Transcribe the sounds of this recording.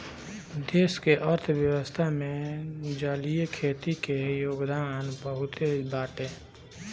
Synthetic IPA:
d̪eːskeʔɔɾt̪ʰwjəwəst̪ʰamẽd͡ʒaːlijkʰeːt̪ikejoːɡd̪aːnbəɦʊt̪ebaːʈẽː

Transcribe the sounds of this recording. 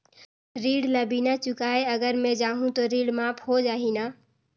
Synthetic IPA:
ɾiːɽləbinat͡ʃʊkaːeəɡəɾmẽd͡ʒaːɦũt̪ɔɾiːɽmaːpʰhod͡ʒaːɦinaː

